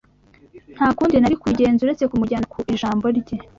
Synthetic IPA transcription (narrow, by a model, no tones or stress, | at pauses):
n̥haːkuːndinaɾikuɟe̞ːnzuɾe̞t͡se̞kumuɟankʰuʔiʒaːmbo̞ɾɟe